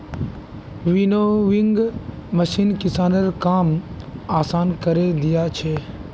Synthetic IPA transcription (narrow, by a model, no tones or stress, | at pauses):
ʋiːnoːʋɪŋɡməʃiːnkɪsaːnəɾkaːmaːsaːnkəɾed̪ɪjat͡ʃʰeː